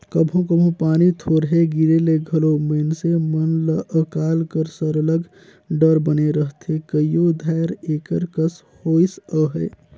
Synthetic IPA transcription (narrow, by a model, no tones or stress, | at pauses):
kəbʱõkəbʱõpaːnit̪ʰoɾɦeɡiɾeleɡʱəlomənsemənləʔəkaːlkəɾsəɾələɡ | ɖəɾbəneɾəɦt̪ʰekəijod̪ʱaɾekəɾkəs | hoisəɦəɪ